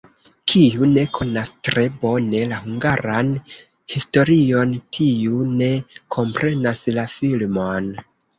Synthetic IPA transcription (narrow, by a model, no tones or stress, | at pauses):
kʰiune̞kʰo̞nastɾe̞bo̞ne̞lahuŋɡaɾan | histo̞ɾio̞ntʰiune̞kʰo̞mpɾʔe̞naslafilmo̞n